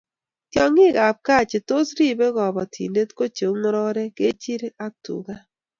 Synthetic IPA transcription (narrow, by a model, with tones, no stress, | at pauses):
kjɔ˨ŋɪ˦˨ɡa˨p̚ka˦˨t͡ʃe˨to˦sɾi˦˨be˦ɡɔ˨bɔ˨tʰḭ˨nde˦tko˦t͡ʃo˨˦ŋɔ˦ɾɔ˦ɾɛ˦ke˦t͡ʃi˦ɾe˦a˦tṵ˨ɡa˦